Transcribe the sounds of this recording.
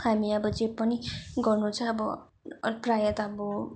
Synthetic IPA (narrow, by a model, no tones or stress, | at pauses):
hamiʌbʌd͡zepːʌniɡʌrnut͡sʰʌːbʌ̰ | prajʌt̪ʌbʌ